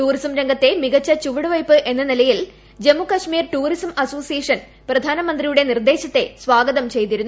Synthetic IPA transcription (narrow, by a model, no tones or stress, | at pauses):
ʈuːrisɐmɾeŋɡʱɐt̪ːe̞miɣɐt͡ɕːɐt͡ɕuʋɐɽɨʋɐjpːɨʔe̞nːɐnilɐjil | d͡ʑe̞mːukɐʂmiːrʈuːrisɐmɐso̞ːsijeːʂɐn | prɐd̪ʱaːnɐmɐnd̪rijuɽe̞nird̪e̞ːɕɐt̪ːe̞sʋaːɡɐðɐmt͡ɕe̞jt̪iɾunːu